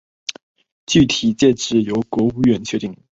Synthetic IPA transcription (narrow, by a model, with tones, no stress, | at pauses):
t͡ɕy˥˩t̪ʰi˨˩˦t͡ɕjɛ˥˧ʈ͡ʂɻ̩˥˩jo˧˥ʊkwɔ˧˥u˧˥ɥɛ˧˥˩nt͡ɕʰɥɛ˧˥t̪i˥˩ŋ